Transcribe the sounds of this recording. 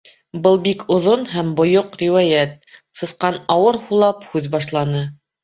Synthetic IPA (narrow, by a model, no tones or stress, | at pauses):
bɤlˠbikʰŏðonɦæmbŏjoqɾʲiwæjæt̪̚sɤ̆sqɑnɑwɤɾhulˠɑphʉðbɑʃlˠɑnɤ